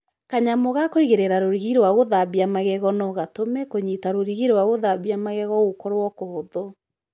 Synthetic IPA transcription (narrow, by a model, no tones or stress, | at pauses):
kaɲamoɣakoiɣeɾeɾaɾoɾiɣiɾwaɣoðaβiamaɣɛɣɔnɔɣatomɛkoɲitaɾoɾiɣiɾwaɣoðaβiamaɣɛɣɔɣokɔɾwɔkohoðɔ